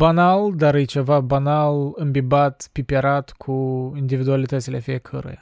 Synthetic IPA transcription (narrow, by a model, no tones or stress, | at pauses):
banald̪aɾɨjt͡ʃe̞vabanalɨmbibat̪pipʲeɾat̪kʰuind̪ivid̪ualit̪ət̪silefijekʰə̰ɾḛja